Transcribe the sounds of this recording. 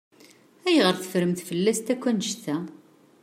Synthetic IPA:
æjʁəɾθə̥fɾəmθfəlːæst̪ækʷːænʃθæ

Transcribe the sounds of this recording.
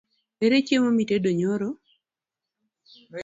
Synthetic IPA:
eɾet͡ʃemomitedoɲoɾo

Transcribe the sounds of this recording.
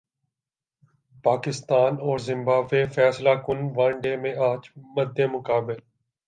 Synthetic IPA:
paːkɪst̪aːnɔːɾzɪ̃mbaːbːeːfɛːslaːkʊnʋãɳɖeːmẽaːt͡ʃməd̪ʱːeːmʊkaːbɪl

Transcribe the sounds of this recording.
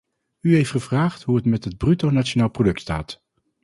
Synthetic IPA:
yɦejftχəvraːχtɦuətmɛtɦəd̚brytownat͡ʃonaːlˠprodɵk̚tsta̰ːt

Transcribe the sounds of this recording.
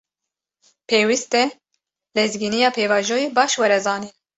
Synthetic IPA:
pʰeːwist̪ɛ | lɛzɡinijɑːpʰeːvɑːʒojeːbɑːʃwɛɾɛzɑːniːn

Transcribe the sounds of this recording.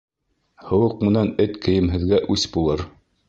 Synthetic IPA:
hɤ̆wɤqmɤ̆nænɘt̪kɘ̆jɘ̆mɦɘ̆ðɡæʔʉsbulˠɤɾ

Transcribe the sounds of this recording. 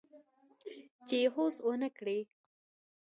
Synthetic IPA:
t͡ʃeɦosonəkɽe

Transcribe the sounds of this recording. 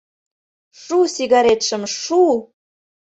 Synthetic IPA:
ʃusiɣɑɾet̪ʃə̆mʃu

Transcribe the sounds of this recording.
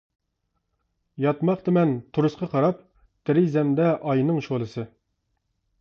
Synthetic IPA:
jɑt̪mɑqt̪ɨmɛnt̪ʰuɾusqɑqʰɑɾɑp | t̪ʰɪɾizɛmd̪ɛʔɑjnɨŋʃolˠɨsɨ

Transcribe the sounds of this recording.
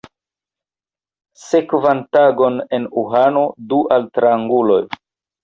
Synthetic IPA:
se̞kvantaɡo̞ne̞nuɦano̞duʔaltɾaːŋɡulo̞j

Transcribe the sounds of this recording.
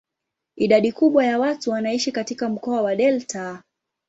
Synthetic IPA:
iɗaɗikuɓwajawatuwanaiʃikatikam̩kɔawaɗɛlta

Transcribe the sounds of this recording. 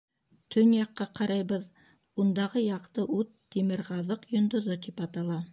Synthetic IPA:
t̪ʰɵnjɑqːɑqɑɾɑjβɤð | und̪ɑʁɤjɑqt̪ɤʔʉt̪ːimɘɾʁɑðɤqjŏnd̪ŏðot̪ipɑt̪ɑlˠɑ

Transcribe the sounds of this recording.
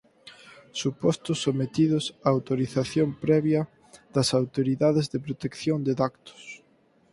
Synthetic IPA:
supɔst̪ʊsːomet̪iðʊsaːwt̪oɾiθaθjompɾɛβjɐ | ðɐsawt̪oɾiðaðɪzðɪpɾot̪ekθjond̪ɪðakt̪ʊ̥s

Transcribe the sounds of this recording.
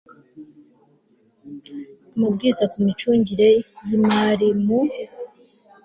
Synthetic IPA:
mub̚ɡiːzakumit͡ʃuːɲɟiɾe̞jimaɾimu

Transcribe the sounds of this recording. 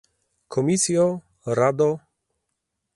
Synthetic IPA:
kʰɔmʲisjɔ | ɾad̪ɔ

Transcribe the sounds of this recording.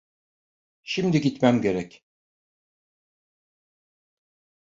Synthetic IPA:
ʃimd̪iɟit̪mæmɟeɾɛc

